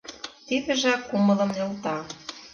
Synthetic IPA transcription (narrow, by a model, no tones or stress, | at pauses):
t̪iðɘ̆ʒækːumɤ̆lɤ̆mnĕlt̪ɑ